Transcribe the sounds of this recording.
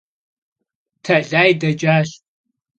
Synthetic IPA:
tʰɐɮaːjdɐd͡ʒʼaːɬ

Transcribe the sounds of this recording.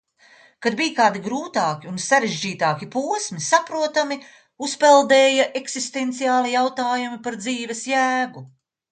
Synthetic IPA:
kad̪̚bijkaːd̪iɡɾuːt̪aːkʲiunsaɾeʒd͡ʒiːt̪aːkipuɔsmisapɾuɔt̪ami | uspɛlˠd̪eːjɐʔeksist̪ent̪sijaːlˠijawt̪aːjumipaɾd̪ziːvɛsjæːɡu

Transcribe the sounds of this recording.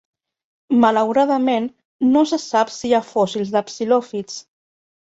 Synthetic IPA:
malawɾaðəmenː | osəsapsiafɔsilˠzðəpsilɔfit͡s

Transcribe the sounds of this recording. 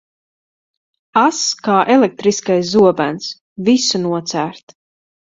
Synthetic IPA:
askaːʔɛlek̚t̪ɾiskajszuɔbæns | visunuɔt̪sæːɾt̪

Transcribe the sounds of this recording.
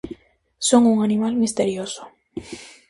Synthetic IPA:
soŋuŋanimalmist̪eɾjoso̥

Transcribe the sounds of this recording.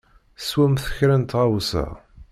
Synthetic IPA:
swæmθə̥çɾænt̪ʁawsə̰ʁ

